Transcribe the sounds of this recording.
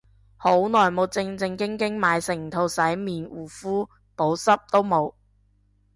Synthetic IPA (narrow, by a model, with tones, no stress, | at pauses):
ho˨˥wnɔː˨˩jmo˨˧wt͡sɪ˧ŋt͡sɪ˧ŋkɪ˥ŋkɪ˥ŋmaː˨˧jsɪ˨˩ŋt̪ʰo˧wsɐ˨˥jmiː˨˩nwuː˨˩fuː˥ | po˨˥wsɐ˥p̚t̪o˥wmo˨˧w